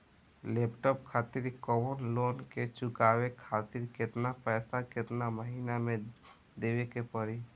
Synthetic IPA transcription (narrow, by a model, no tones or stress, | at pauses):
lepʈɔpkʰat̪iɾkɔwonloːnket͡ʃʊkawekʰaːt̪ɪɾket̪napɛːsakɪt̪naməɦiːnamẽ | d̪ewekepəɾi